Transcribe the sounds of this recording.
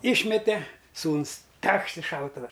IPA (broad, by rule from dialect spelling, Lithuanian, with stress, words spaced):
ˈɪʃʲmʲɛtʲɛ ˈsuːnʊs ˈtʲɛkʃt ɪ ˈʃɐʊtʊʋɐ